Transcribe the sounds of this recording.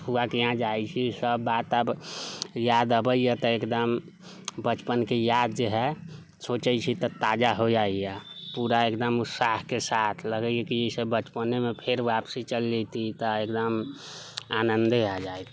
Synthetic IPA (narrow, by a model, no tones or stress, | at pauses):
puakeɦãd͡ʒajt͡ʃʰisəbːat̪əb | jad̪əbəijet̪ɔekd̪əm | bət͡ʃpənkejad̪̚d͡ʒeɦɛ | sot͡ʃəjt͡ʃʰit̪ɔt̪ad͡ʒaɦod͡ʒaijapuɾaekd̪əmusahkesat̪ʰləɡəijekid͡ʒəsebət͡ʃpənemepʰeɾbapsit͡ʃəlːet̪it̪ɔekd̪əm | anənd̪ad͡ʒaek